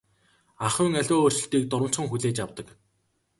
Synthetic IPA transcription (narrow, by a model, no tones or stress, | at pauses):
aχʊːŋæɮʲoːr̥t͡ɕɪ̆ɬt̪iːk̚t̪ʊɾə̆m̥t͡sχə̆ŋxuɮeːt͡ɕjawt̪ə̆k